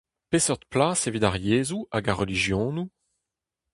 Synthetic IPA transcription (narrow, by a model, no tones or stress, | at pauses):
pesœʁt̪plaːsevidaʁjeːzuaɡaʁːəliʒjɔ̃ːnu